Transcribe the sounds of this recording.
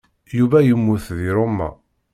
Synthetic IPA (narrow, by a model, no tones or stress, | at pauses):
juvæjəmːuθðiɾˤomːæ̰